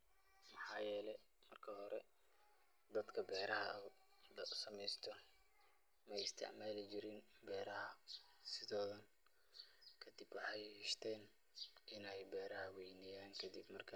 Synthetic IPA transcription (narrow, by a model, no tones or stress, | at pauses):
mɐħɑːjɛːlɛ | mɐrkʰɐhɔɾɛ | d̪ɐd̪kʰɐbɛːɾɐɦɐ | d̪ɐsɐmɛjst̪ʰɔ | mɛjɪst̪ʰɪ̰ʕmaːlɪt͡ʃɪɾɪnbɛːɾɐɦɐ | sɪðɔːðɐn | kʰɐd̪ibwɑħɑjhɪʃt̪ʰɛːn | ʔɪnɛjbɛːɾɐɦɐwɛjnɪjaːŋkʰɐd̪ibmɐrkʰɐ